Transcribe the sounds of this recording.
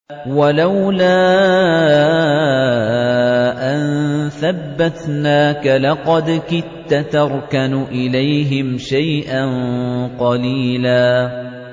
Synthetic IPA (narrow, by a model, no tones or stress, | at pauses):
walawlaː | ʔanθabːat̪naːkalɑqɑd̪kɪt̪ːat̪ɑɾˤkanʊʔɪlajɦɪmʃajʔanqɑliːlaː